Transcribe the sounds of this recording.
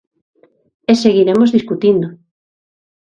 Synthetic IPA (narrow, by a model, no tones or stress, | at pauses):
eseɣiɾemozðiskut̪ind̪ʊ